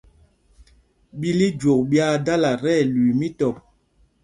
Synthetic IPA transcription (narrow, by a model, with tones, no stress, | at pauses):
ɓi˦li˦d͡ʒo˨k̚ɓja˦da˦la˨ɾɛ˦˨lwi˨mi˦tɔ˨p̚